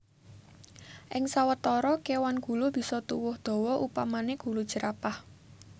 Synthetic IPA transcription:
ʔɪŋsawət̪ɔɾɔkewanɡ̥ṳlʊb̥i̤sɔt̪uwʊhd̪̥ɔ̤wɔʔupamaneɡ̥ṳlud̥ʒ̥ə̤ɾʔapah

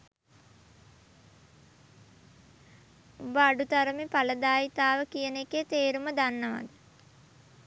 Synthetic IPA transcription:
ubəaɖut̪aɾəmepaləd̪aːjit̪aːʋəkijəneket̪eːɾuməd̪anːəʋa̰d̪ə

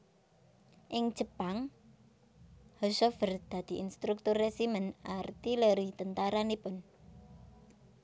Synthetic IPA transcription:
ʔɪŋ̥ʒ̥ə̤paŋ | hɔsɔfərd̪̥ä̤d̪̥i̤inst̪ɾuk̚t̪ʊrɛsimənart̪iləɾit̪ənt̪aɾanipʊn

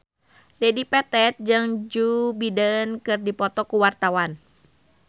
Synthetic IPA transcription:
dɛdipɛt̪ɛt̪̚d͡ʒɨŋd͡ʒubidənkɨrdipɔt̪ɔkuwart̪awan

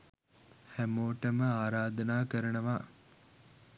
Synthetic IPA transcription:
hæmoːʈəməaːɾaːd̪ɐnaːkəɾɐnəʋaː

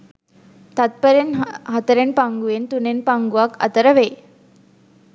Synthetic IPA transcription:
t̪at̪̚pəɾenɦɐt̪əɾenpaŋɡuʋent̪unenpaŋɡuʋakɐ̰t̪əɾəʋeː

